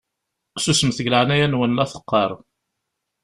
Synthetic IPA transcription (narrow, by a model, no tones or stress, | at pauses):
susəmθəɡlaʕnæjænwənlæθə̥qːɑɾˤ